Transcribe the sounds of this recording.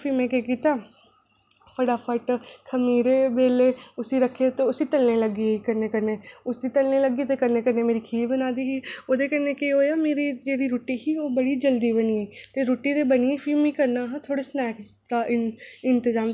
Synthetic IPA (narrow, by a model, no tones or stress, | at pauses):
pʰiːmɛ̃ːkekiːt̪aː | pʰəɽaːpʰəʈkʰəmiːɾeːbeːleːʊsiːɾəkʰːet̪eːʊsiːt̪əlneːləɡiːiːkəɾneːkəɾneːʊsiːt̪əlneːləɡiːt̪eːkəɾneːkəɾneːmeːɾiːkʰiːbənaːd̪iːɦiːoːd̪eːkəɾneːkeɦoːjaːmeːɾiːd͡ʒeːɽiːɾoːʈiːɦiːoːbəɽiːd͡ʒəld̪iːbəniːeːt̪eːɾoːʈiːd̪eːbənieːpʰiːmiːkəɾnaːɦãːt̪ʰoːɽeːsnɛːk | d̪aːʔɪɪnt̪əzaːm